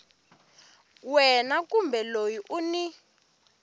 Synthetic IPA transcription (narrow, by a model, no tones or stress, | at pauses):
wɛnak̬ʼumbɛlojiʔuni